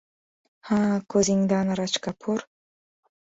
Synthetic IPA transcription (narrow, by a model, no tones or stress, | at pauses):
hakoziŋd̪anaɾat͡ʃkapʰuɾ